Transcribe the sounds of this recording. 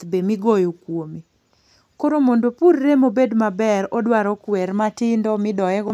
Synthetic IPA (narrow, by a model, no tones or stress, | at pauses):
bemɪɡojokwomi | koɾomondopurːemobedmabɛɾɔdwaɾɔkwɛɾmatɪndɔmɪdɔɛɡɔ